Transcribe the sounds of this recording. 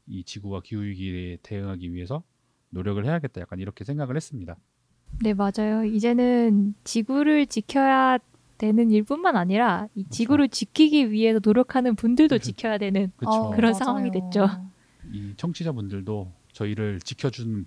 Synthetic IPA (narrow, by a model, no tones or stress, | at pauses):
it͡ɕiɡuwakiujiɡite̞ɯŋɦaɡiɥiɦe̞sʰʌ | noɾjʌɡɯɭhe̞jaɡe̞t̚t͈ajak͈aniɾʌkʰe̞sʰe̞ŋɡaɡɯɭhes͈ɯmɲida | ne̞mad͡ʑajoid͡ʑe̞nɯnt͡ɕiɡuɾɯɭt͡ɕikʰjʌja | d̥we̞nɯniɭp͈unmanaɲiɾait͡ɕiɡuɾɯɭt͡ɕikʰiɡiɥiɦe̞sʰʌnoɾjʌkʰanɯnpundɯɭdot͡ɕikʰjʌjadwe̞nɯnkɯkɯɾʌnsʰaŋwaŋidwe̞t̚t͡ɕ͈o | it͡ɕʰʌŋt͡ɕʰid͡ʑabundɯɭdo | t͡ɕʌiɾɯɭt͡ɕikʰjʌd͡ʑunɯn